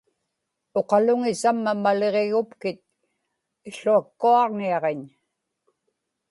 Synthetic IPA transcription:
o̞qɑlʊŋɪsamːamale̞ʁeɣʊpkɪt̪̚ | ɪɬuakːuɑʁniɑʁeɲ

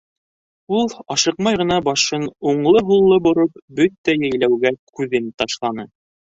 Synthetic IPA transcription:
ulˠɑʃɤqmɑjʁɤ̆nɑbɑʃɤnuɴlˠɤɦulˠːɤbŏɾop̚bɵt̪ːæjæjlæwɡækʉðɘnt̪ɑʃlˠɑnɤ

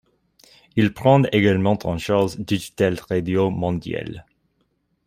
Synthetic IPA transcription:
ilpχɑ̃d̪eɡalmɑ̃t̪ʰɑ̃ʃaʁzd̪iʒit̪alʁad̪jomɔ̃d̪ja̰l

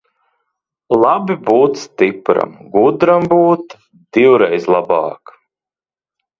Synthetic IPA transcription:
lˠabibuːt̪sst̪ipɾa̰mɡud̪ɾambuːt̪ | d̪̥iwɾɛjzlˠabɑːk

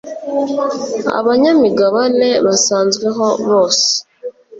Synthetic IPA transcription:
a̰βaɲamiɡaβane̞βasaːnzɡweɦo̞βo̞ːse̥

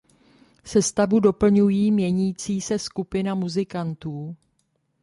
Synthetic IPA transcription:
sɛst̪avudo̞pl̩ɲujiːmɲɛɲiːt͡siːsɛskupɪnamuzɪkant̪uː

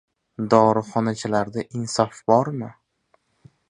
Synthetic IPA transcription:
d̪ɒɾɨχɒnat͡ʃʰalaɾd̪aʔɪnsɒfbɒɾmɪ

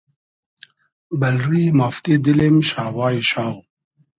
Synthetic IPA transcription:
bɐlɾimaft̪id̪ilimɕaːwaːiɕaːw

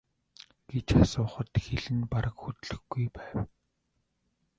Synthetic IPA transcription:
ɡ̥et͡ɕasʊːχə̆t̪xeɮɘ̆npaɾə̆kxut̪ɮɘ̆xɡujpæːw

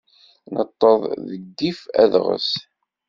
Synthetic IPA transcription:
nət̪ˤːəðˤðəɡːifæ̰ðʁə̰s

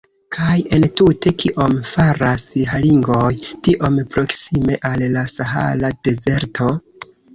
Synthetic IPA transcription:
kʰaje̞ntute̞kʰiʔo̞mfaɾasɦaliŋɡo̞jtiʔo̞mpɾo̞ksime̞ʔalːasaɦa̰lade̞ze̞ɾtʰo̞

